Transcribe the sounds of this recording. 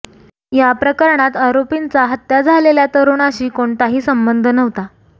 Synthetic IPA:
japɾəkəɾɳat̪aɾopint͡saɦət̪jad͡zʱaleljat̪əɾuɳ̃aɕiːkoɳt̪aɦiːsəmbənd̪ʱnəʋt̪a

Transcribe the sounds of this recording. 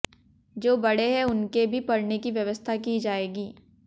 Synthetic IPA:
d͡ʒoːbɐɽeɦɛʊnkebʱipɐɽnekiʋjɐʋəst̪ʰakid͡ʒaːeːɡiː

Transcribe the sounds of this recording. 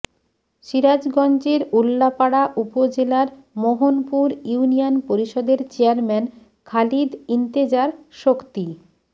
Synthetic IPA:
ʃiɾad͡ʑɡɔnd͡ʑeɾulːapaɽaʔupod͡ʑelaɾ | moɦonpuɾjuunionpoɾiʃɔd̪eɾt͡ɕeaɾmɛn | kʰalid̪int̪ed͡ʑaɾʃokt̪i

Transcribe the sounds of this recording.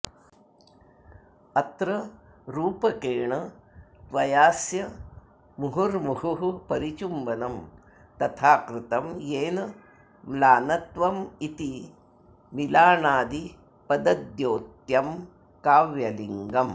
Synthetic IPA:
ɐt̪ɾɐɾuːpɐkeːɳɐt̪ʋɐjaːsjɐ | muɦuɾmuɦuɦupɐɾit͡ʃumbɐnɐm | t̪ɐt̪ʰaːkɾɪt̪ɐmjeːnɐ | mlaːnɐt̪ʋɐmit̪i | milaːnaːd̪i | pɐd̪ɐd̪joːt̪jɐm | kaːʋjɐliŋɡɐm

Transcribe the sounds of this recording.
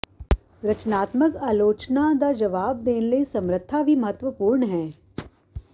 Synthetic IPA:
ɾɐt͡ʃnaːt̪məkaːloːt͡ʃnad̪ad͡ʒɐʋaːb̚d̪eːnlesɐ̃mɾət̪ʰːabʱimɐɦət̪ʋəpuːɾɳɦɛː

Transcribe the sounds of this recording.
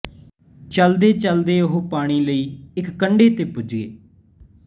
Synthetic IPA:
t͡ʃəld̪eːt͡ʃəld̪eːʊɦoːpaːɽ̃iːləiːɪkːəɳɖeːt̪eːpʊd͡ʒɡḛː

